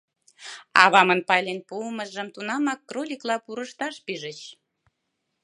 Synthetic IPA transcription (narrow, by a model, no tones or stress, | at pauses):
ɑβɑmənpɑjlenpuːməʒəmt̪unɑmɑkːrolʲiklɑpuɾəʃt̪ɑʃpyʒət͡ɕ